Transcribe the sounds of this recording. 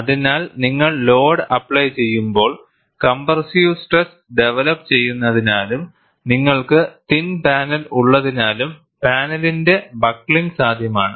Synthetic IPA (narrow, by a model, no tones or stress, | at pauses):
ɐðinaːlniŋːɐɭlo̞ːɖɐpːɭɐjt͡ɕe̞jːumbo̞ːɭ | kɐmbɐrsjusʈres | ɖe̞ʋɐlɐpːt͡ɕe̞jːunːɐðinaːlum | niŋːɐɭkɨt̪inpaːnɐluɭːɐðinaːlum | paːnɐlinde̞bɐkːɭiŋɡsaːd̪ʱjɐmaːɳɨ